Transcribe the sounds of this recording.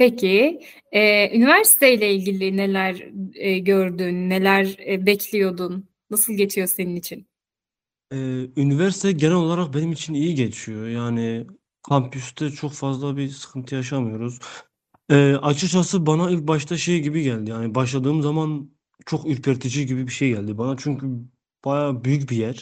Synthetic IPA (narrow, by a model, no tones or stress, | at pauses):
pecʰi | ɛːynivæɾsi̥t̪ʰejlʲɛilʲɟilʲine̞lʲæɾːɟøɾd̪yːnːe̞lʲæɾbɛcʰlʲijo̞d̪unː | asɯlˠɟe̞t͡ʃʰijo̞se̞ninit͡ʃʰin | ɛːynivæɾsi̥t̪ʰɛɟenælo̞lˠaɾak̚be̞nimit͡ʃʰinijiɟe̞t͡ʃʰijojaːnɪ | kʰampʰjyst̪ʰɛt͡ʃʰo̞kfazlˠabisɯ̥kʰɯnt̪ʰɯjaʃ̬amɯjo̞ɾuz̥ | ɛːʔat͡ʃʰɯt͡ʃʰasɯbanailʲc̚baʃt̪ʰaʃejɟibiɟælʲd̪ijaːnibaʃlˠad̪ɯːmzaman | t͡ʃʰo̞kyɾpʰɛɾt̪ʰid͡ʒiɟibibiʃe̞jɟælʲd̪ibanat͡ʃʰyɲcʰy | b̥ajaːbyjycbijæɾ̥